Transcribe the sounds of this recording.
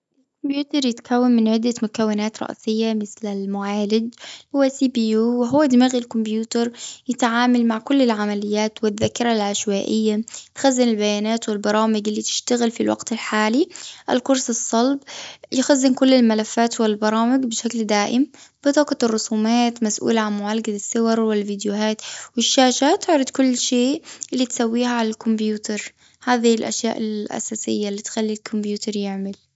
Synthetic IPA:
ʔɪlkʊmbjuːt̪ɑɾˤjɪt̪kʰawːanmɪnʕɪd̪ːamʊkawːɪnaːt̪ɾˤɑ̰ʔsɪjːamɪθlɪlmʊʕaːlɪd͡ʒhʊwːasiːbiːjuːwɪɦʊwːad̪maɣilkʊmbjuːt̪ɑɾˤjɪt̪ʕaːmalmaʕkʊlːɪlʕamalɪjːaːt̪wɪðːakɪɾˤalʕaʃwaːʔɪjːat̪xazːɪnɪlbajaːnaːt̪wɪlbɑɾˤɑːmɪɡɪlːit̪ɪ̥ʃt̪aɣɪlfilwa̰ɡt̪ɪlħaːliʔa̰lkʊɾˤsɨsˤːɑlbjɪxazːɪnkʊlːɪlmalafːaːt̪wɪlbɑɾˤɑːmɪɡbɪʃakld̪aːʔɪmb̥ɪt̪ˤɑːkɑrˤːʊsˤuːmaːt̪masʔṵːlʕanmʊʕalɡad̪ɪsːɪwɑɾˤwɪlvid̪jʊɦaːt̪wɪʃːaːʃat̪ɪʕɾˤɪd̪kʊlːʃeːʔʔɪlːit̪sawːiːhaʕalalkʊmbjuːt̪ɑɾˤ | haːðihlʔa̰ʃja̰ːʔɪlʔa̰saːsɪ̰jːalːiːt̪xalːilkʰʊmbjuːt̪ɑɾˤjɪʕmɪl

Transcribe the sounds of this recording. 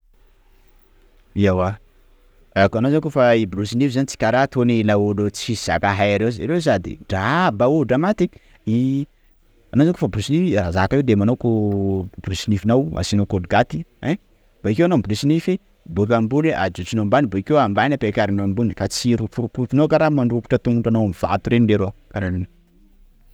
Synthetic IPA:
iawa | akanozankofaibɾusinifizanit͡si̥kaɾat̪onilaulot͡siz̥a̰kaɦajaɾewza̰ɾewsad̪ḭɖ͡ʐabauuɖ͡ʐamat̪i | i | anozankofabɾusinifirazakaiwd̪emanowkubɾusinifinawa̰sinokodɡat̪i̥ɛ | b̥aikewanomblusinifi | bup̬ambuneʔad͡ʒut͡ʃinombanibaikewambanapekaɾanoambunikat͡siɾufuɾupufinokaɾamaɳɖ͡ʐupu̥ʈ͡ʂat̪uŋuɳʈ͡ʂanoamiv̥a̰t̪uɾeniɖ͡ʐeɾokaɾanino

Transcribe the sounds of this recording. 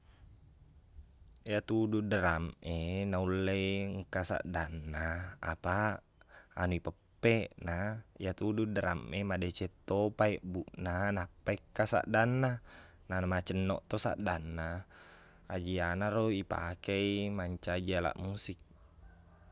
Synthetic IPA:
jat̪ududəɾamenaulːeiŋkasa̰ʔdanːaa̰pa | a̰nuipəpːeʔnajat̪ududəɾa̰mʔemadet͡ʃet̪ːopaeʔbuʔnanapːaikːasa̰ʔdanːa | nanamat͡ʃənːoʔt̪osa̰ʔdanːaː | d͡ʒianaɾoipa̰keimaɲt͡ʃad͡ʒiala̰ʔmusik̚

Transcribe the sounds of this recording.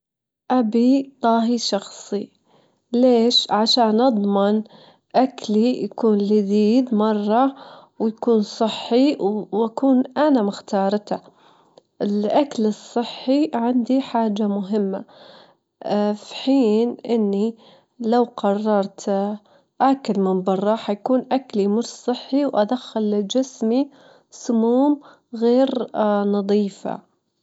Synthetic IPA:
ʔabit̪ˤɑːɦiʃɑxsˤi | leːʃʕaʃaːnʔɑd̪ˤmɪn | ʔaklijakuːnlɪd̪iːd̪mɑrˤːɑwjakuːnsˤɨħːiwʔakuːnʔanamɪxt̪ɑːɾˤt̪a | ʔɪlʔaklɨsˤːɨħːiʕand̪iħaːd͡ʒːamʊɦɪmːa̰ | fiħiːnʔɪnːi | lawqɑrˤːɑɾˤt̪ | ʔakɪlmɪnbɑrˤːɑħajkuːnʔaklimʊʃsˤɨħːiwʔad̪axːalːɪd͡ʒɪsmi | sʊmuːm | ɣeːɾnɑðˤiːfa̰

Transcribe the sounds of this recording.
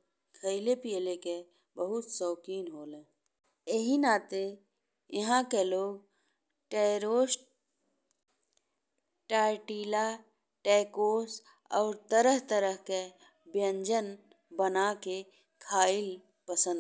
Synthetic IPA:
kʰəɪlepijəleke | bəɦʊt̪sɔːkiːnɦoːlẽː | eɦinaːt̪e | jɐɦãkeloːɡ̚ | ʈeːɾoːs | ʈaːʈiːla | ʈeːkoːs | ɔ̰ːɾt̪əɾəɦt̪əɾəɦke | bjə̃ɲd͡ʒən | bənake | kʰaːɪl | pəsə̃nd̪

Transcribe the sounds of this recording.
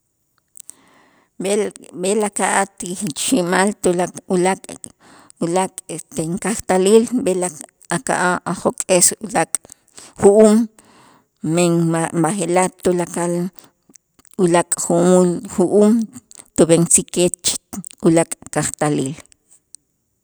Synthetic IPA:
belakaʔat̪iʃimalt̪ulaulakʼ | ulakʼet̪eŋkaχt̪aliːlbela | aka̰ʔaʔaχokʼesulakʼ | χuʔuːm | meŋbaχelat̪ulakal | ulakʼχumulxuʔuːmt̪ubeŋt͡siket̪t͡ʃulakʼkaχt̪aliːl

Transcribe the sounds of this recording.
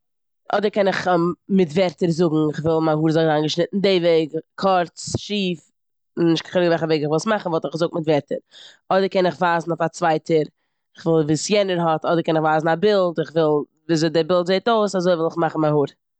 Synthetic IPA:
ʔɔdəɾkɛnɪχmɪtvɛɾtəɾzʊɡŋ̩ɪχvɪlˠmahuːɾzɔɪzanɡəʃnɪtn̩deɪveɪɡkʰɔɾt͡sʃiːf | nnɪʃtkə̥χɛɾɪɡvɛlˠχəveɪɡɪχvɪlˠsmaχn̩vɔlˠtɪχzʊk̚tmɪtvɛɾtəɾ | ɔdəɾkɛnɪχvaːzn̩oʊfat͡svaɪtʰəɾ | ɪχvɪlˠviːsjɛnəɾɦɔtʰɔdəɾkɛnɪχvaːzn̩abɪlˠtɪχvɪlˠ | viːzdɪbɪlˠtzeɪtoʊsazoɪvɪlˠɪχmaχn̩mahuːɾ

